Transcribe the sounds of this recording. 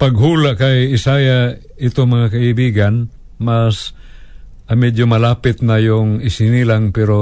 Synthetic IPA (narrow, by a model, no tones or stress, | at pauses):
pɐɡɦuːlaʔkajɪsaːja | ɪt̪oŋmɐŋakɐɪbiːɡan | mas | ʔɐmɛd̪jomɐlaːpɪt̪nɐjʊŋɪsɪnilaŋpɛɾo